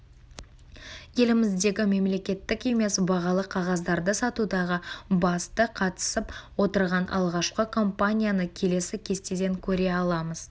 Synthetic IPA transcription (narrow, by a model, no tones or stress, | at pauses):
je̞lɪmɪzd̪e̞ɡʲɪme̞mle̞kʲe̞t̪ːɪke̞me̞sbɑʁɑlˠəqʰɑʁɑzd̪ɑɾd̪əsɑt̪ud̪ɑʁəbɑst̪əqʰɑt̪ə̥səpwo̞t̪əɾʁɑnʔɑ̰lˠʁɑʃqəkʰo̞mpanʲijanəkʲʰe̞le̞sɪkʲʰe̞st̪ed̪e̞ŋkʲʰɵɾe̞ɑlˠɑməz̥